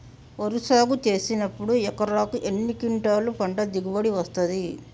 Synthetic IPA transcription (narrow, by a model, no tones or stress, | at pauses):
oɾusaːɡut͡ʃe̞ːsinɐpːuɽuɛkɐɾaːkuʔenːikiɳʈaːlupɐɳɖɐd̪iɡuʋɐɽiʋɐst̪ɐd̪i